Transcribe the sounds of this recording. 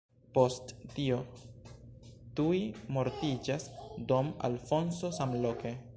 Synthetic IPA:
po̞stːio̞ | tuimo̞ɾtid͡ʒasdoma̰lfo̞nso̞samlo̞ke̞

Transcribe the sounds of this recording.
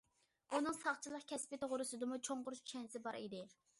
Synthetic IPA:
unɨŋsɑχt͡ʃʰilˠəqkʲʰɛspɪt̪ʁʊɾɨsɨd̪ɨmut͡ʃʰoɴqʊɾʃt͡ʃʰɛnsɪbɑɾid̪ɪ

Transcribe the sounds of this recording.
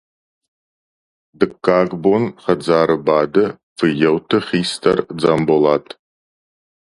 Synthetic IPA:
dɨkʰːaːɡbonχɐd͡zaːɾɨbaːdɨ | fɨjɛwtʰɨχiːstʰɐrd͡zaːmbolaːtʰ

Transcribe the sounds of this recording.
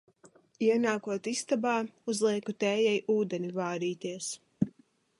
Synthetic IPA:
iɛnaːkuɔt̪ist̪abaːuzlˠiɛkut̪ɛːjɛjʔuːd̪ɛnivaːɾiːt̪iɛs

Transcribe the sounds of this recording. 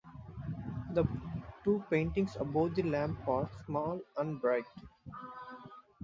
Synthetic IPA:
d̪əʈuːpẽːɳʈɪ̃ŋsəboːd̪ilæ̃ːmpɔːɾsmɔːlə̃ɳbɾaɪk

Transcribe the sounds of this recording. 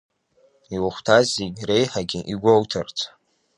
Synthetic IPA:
iwaχʷtʰazeɡʲrejħaɡʲiʔiɡʷowtʰart͡sʰʼ

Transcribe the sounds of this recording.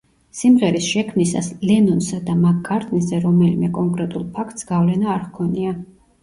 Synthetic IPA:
simʁɛɾisʃɛkʰmnisa̰slɛnɔnsad̪amak̚ʼːaɾt̪ʼnizɛɾɔmɛlimɛkʼɔŋkʼɾɛt̪ʼulˠpʰakʰt̪ʼsɡ̥avlɛnaːɾʁkʰɔnia

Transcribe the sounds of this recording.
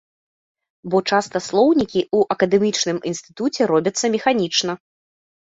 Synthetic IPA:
bɔt͡ʂast̪ɐslˠɔwnʲikʲiʔuʔɐkɐd̪ɛmʲit͡ʂnɨminsʲt̪ɨ̥t̪ut͡sʲɛɾɔbʲɐt̪sːɐmʲɛxanʲit͡ʂnɐ

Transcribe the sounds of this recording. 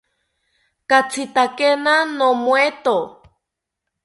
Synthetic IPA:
kat͡sʰit̪akenanomwet̪o

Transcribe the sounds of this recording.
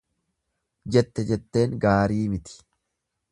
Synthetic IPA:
d͡ʒɛt̪ːɛd͡ʒɛt̪ːe̞ːŋɡaːɾiːmɪt̪ɪ̥

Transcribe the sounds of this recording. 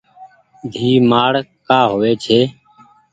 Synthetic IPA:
d̪ʱiːmaːɽkaːɦoːʋeːt͡ʃʰeː

